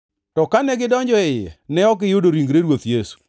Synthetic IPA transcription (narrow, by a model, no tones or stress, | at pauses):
tɔkanɛɡɪdɔɲd͡ʒɔɛjɛ̰nɛɔkɪjodoɾiŋɡɾeɾwot̪jesu̥